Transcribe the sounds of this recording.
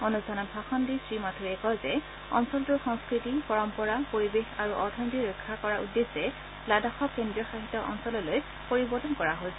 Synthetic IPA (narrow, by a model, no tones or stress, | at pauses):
onustʰanɔtbʰʱaxɔndisɹimatʰuɹɛkɔjzɛ | ɔ̰nsɔltuɹxɔŋskɹitipɔɹɔmpɔɹapoɹibexaɹuʔɔɹtʰɔntiɹokʰːakɔɹaṵdːesɛ | ladaxɔkendɹiɔxaɦit̪ːɔʔɔ̰nsɔlɔloj | poɹibɔɹtɔnkɔɹaɦojsɛ